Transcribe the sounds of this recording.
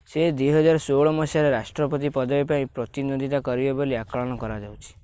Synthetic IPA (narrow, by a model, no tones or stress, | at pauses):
sed̪wiɦɔd͡ʒaɾɔsoɭɔmɔsaɾeɾasʈɾɔpɔt̪̬ipɔd̪ɔbepaĩpɾɔt̪inod̪ʱit̪akɔɾibeboliakɔɭɔɽ̃ɔkɔɾad͡ʒawt͡ʃʰi̥